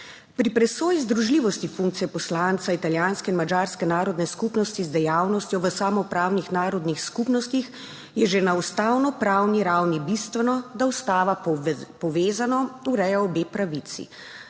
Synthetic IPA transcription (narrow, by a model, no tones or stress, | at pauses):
pɾipɾɛsoːjizd̪ɾuʒliːʋɔst̪ifuŋk̚t̪sijɛpɔslant̪sait̪aljaːnskɛinmad͡ʒaːɾskɛnaːɾɔd̪nɛskupnɔst̪izd̪ɛjaːwnɔst̪jɔʋəsaːmɔpɾaːwnixnaːɾɔd̪nixskupnɔst̪ix | jɛʒenaust̪aːwnɔpɾaːwniɾawnibist̪ʋɛnɔd̪aust̪aːʋapɔʋeːzanɔuɾɛjɛɔbeːpɾaʋit̪sḭ